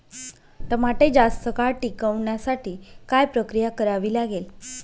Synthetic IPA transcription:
t̪əmaʈed͡ʑast̪əkaɭʈikəʋɳjasaʈiːkajpɾəkɾijakəɾaʋiːlaɡel

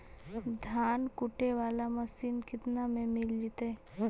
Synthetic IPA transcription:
d̪ʱaːnkʊʈeʋaːlaməsiːnkɪt̪namẽmɪld͡ʒit̪e

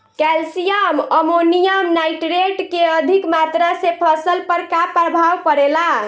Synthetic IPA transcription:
kɛlsijəməmonijəmnajʈɾeʈkeəd̪ʱikmat̪ɾasepʰəsəlpəɾkapɾəbʱawkəɾela

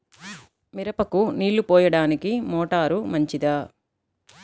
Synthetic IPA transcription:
miɾɐpɐkuniːɭːupɔːjɐɽaːnikimɔːʈaːɾumɐɲt͡ʃid̪ɐː

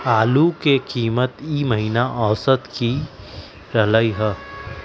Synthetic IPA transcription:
aːlukekiːmət̪iːməɦiːnaʔɔːsət̪ki | ɾɐləiɦɛː

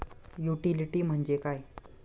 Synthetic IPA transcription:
juʈiliʈiːm̤əɳd͡ʑekaj

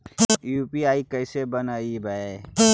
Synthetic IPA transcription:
juːpiaːikəɪsebənaːibəe

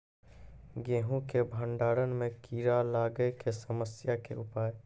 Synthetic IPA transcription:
ɡẽːɦũkebʱə̃ɳɖaːɾənmẽkiːɾalaːɡəekesəməsjakḛʔʊpaːje

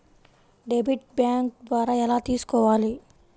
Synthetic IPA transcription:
ɖebʱiʈ̚bjaːŋk̚d̪ʋaːɾaːɛlaːt̪iːsu̥kɔːʋaːli

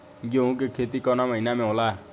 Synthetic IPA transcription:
ɡoũk̬ekʰet̪ikɔnamʌjnamẽwla

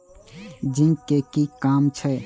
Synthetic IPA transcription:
d͡ʒĩŋkekikamt͡ʃʰə

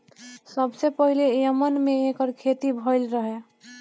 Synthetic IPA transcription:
səbsepəɦilejəmənmeːkəɾkʰet̪ibʱəɪlɾəɦe

